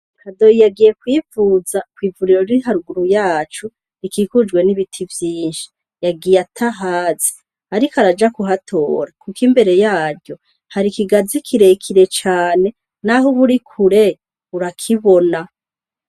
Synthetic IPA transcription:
kʰado̞ijaɡije̞kwiːvuːzakwiːvuɾiɾoɾiɦaɾuɡuɾujaːt͡ʃu | ikiːkud͡ʒɡwe̞niβitʰivjiːnʃi̥ | jaɡijatʰaɦaːzi̥ | aɾikaɾad͡ʒakuɦatʰo̞̰ːɾakukimbe̞ɾe̞jaːɾɟo̞ | haɾikiɡazikʰiɾe̞kʰiɾe̞t͡ʃaːne̞ | naɦuβuɾikʰuɾe | βuɾakʰiβo̞na

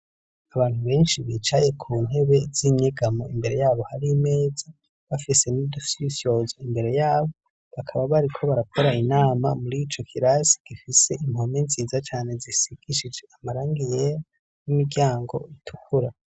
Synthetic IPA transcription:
aβaːnhuβe̞ːnʃiβit͡ʃaje̞kʰuːn̥e̞βe̞ziɲeɡamoimbe̞ɾe̞jaːβo̞haɾiːme̞ːza | βafise̞nidusisjo̞zoimbe̞ɾe̞jaːβo̞ | βakʰaβaβaɾikʰo̞βaɾakʰo̞ɾainaːma̰muɾit͡ʃo̞kʰiɾasi̥ɡ̥ifise̞ʔimho̞minziːzat͡ʃaːne̞zisiɡ̥iʃid͡ʒe̞amaɾaːŋɡijeɾa | nimiɡjaːŋɡo̞̰itʰukʰuɾa

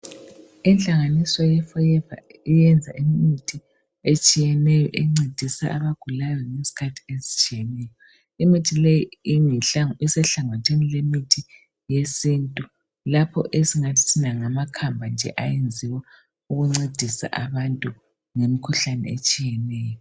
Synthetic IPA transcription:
ɛnɬʼaŋanisɔjɛfɔjɛva̰ijɛnd͡zʱa̰ʔimmitʰi | et͡ʃʼijɛnɛjɔ̰ʔeŋ͡ǀed̥ʱisa̰ʔaβaɡ̥ʱulajɔŋesi̥kʰatʰi̥ezi̥t͡ʃʼijɛnɛjɔ | imitʰilejiiŋiɬaisɛɬaŋotʰenilemitʰi | jesintʼu | lapʰɔ̰ʔesiŋatʰi̥tʰinaŋamakʰambʱand͡ʒʱɛ̰ʔajend͡zʱiwɛ | uɣuŋ͡ǀed̥ʱisa̰ʔaβantʼu | ŋemikʰuɬanɛ̰et͡ʃʼijɛnɛːjɔ

